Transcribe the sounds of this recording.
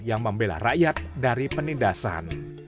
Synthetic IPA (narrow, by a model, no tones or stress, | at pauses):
jaŋməmbela̰raʔjat̪̚daɾipənindasa̰n